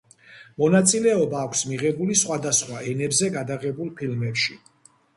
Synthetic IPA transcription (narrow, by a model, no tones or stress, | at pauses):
mɔnat̪sʼilɛɔbaːkʷʰsmiʁɛbulisχwad̪asχwaʔɛnɛbzɛɡad̪aʁɛbulˠpʰilmɛpʃi